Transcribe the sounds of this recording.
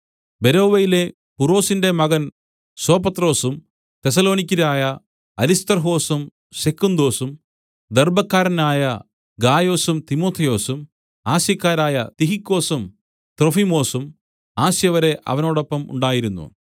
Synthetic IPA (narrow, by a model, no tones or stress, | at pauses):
be̞ɾo̞ːʋejile̞ | puro̞ːsinde̞mɐɣɐn | so̞ːpɐt̪ro̞ːsum | t̪e̞s̬ɐlo̞ːnikʲːɐɾaːjɐ | ɐlist̪ɐrɦo̞ːsum | sekːund̪o̞ːsum | d̪erbɐkːaːɾɐnaːjɐ | ɡaːjo̞ːsumt̪imo̞ːt̪ʰːɐjo̞ːsum | aːsjɐkːaːɾaːjɐt̪iɦikːo̞ːsum | t̪rofimo̞ːsum | aːsjɐʋɐɾe̞ʔɐ̰ʋɐno̞ːɽo̞pːɐmṵɳɖaːjiɾunːṵ